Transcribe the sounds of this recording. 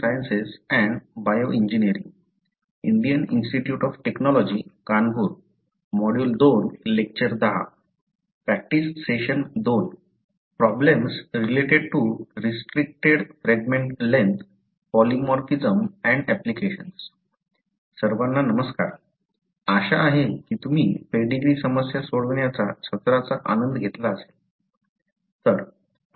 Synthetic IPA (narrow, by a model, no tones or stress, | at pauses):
ajənsesɛ̃ɳbajoʔĩɲd͡ʑinijəɾḭŋ | iɳɖijəninsʈiʈjuːʈɔfʈeknɔlɔd͡ʑikanbʱuːɾ | mɔɽjuːld̪onlek̚t͡ɕəɾd̪aɦa̰ | pɾæk̚ʈisʈseɕənd̪on | pɾɔblemsɾileʈeɖ̚ʈuɾisʈɾik̚ʈeɽfɾeɡmẽɳʈlent̪ | pɔlimɔɾkid͡zəmɛ̃ɳɖæplikeɕəns | səɾʋanːanəməska̰ɾ | aɕaːɦekiːt̪um̤iːpeɽiɡɾisəməsjasoɽəʋɳjat͡sat͡ɕʰət̪ɾat͡saʔa̰nənd̪ɡʱet̪laəse̥l | t̪əɾ